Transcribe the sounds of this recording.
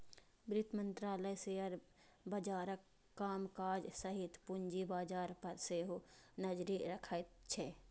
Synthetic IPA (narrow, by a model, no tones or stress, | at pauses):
bɾɪt̪mə̃nt̪ɾaːləjseːəɾ | bɐd͡ʒaːɾəkː | aːmkaːd͡ʒsəɦit̪pʊnd͡ʒibaːd͡ʒaːɾpɐɾseːɦunəd͡ʒɾiɾɐkʰət̪t͡ʃʰɛ